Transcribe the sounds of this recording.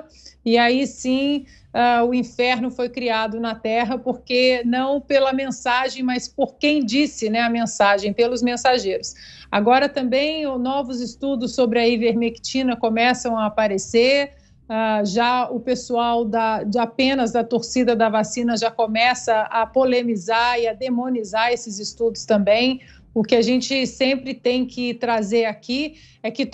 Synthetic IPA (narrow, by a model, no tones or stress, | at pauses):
ɪaisĩ | aʊĩfɛɾnʊfojkɾiad̪ʊnɐt̪ɛɦɐpoɾkenɐ̃w̃pelɐmẽsaʒẽj̃mɐspoɾkẽj̃d͡ʒisɪnɛɐmẽsaʒẽj̃pelʊzmẽsaʒejɾʊsa̰ɡɔɾɐt̪ɐ̃bẽj̃nɔvʊzɪst̪ud̪ʊsːobɾɪɐiveɾmeki̥t͡ʃĩnɐkomɛsɐ̃w̃aːpaɾese | aʒaʊpesuawd̪ɐd͡ʒɪapẽnɐzd̪ɐt̪oɾsid̪ɐd̪ɐvasĩnɐʒakomɛsɐɐpolemizaɪɐd̪emõnizaɾesɪzɪst̪ud̪ʊst̪ɐ̃mbẽj̃ | ʊkɪaʒẽnt͡ʃɪsẽmpɾɪt̪ẽj̃kɪt̪ɾazeɾaki | ɛkɪ